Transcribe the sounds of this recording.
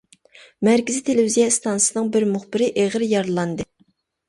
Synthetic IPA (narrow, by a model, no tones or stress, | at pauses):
mæɾkʲizit̪ʰelɪvizjɑst̪ʰɑnsɨnɨŋbɪɾmʊχbɪɾɪʔeʁɾjɑɾlˠɑnd̪ɨ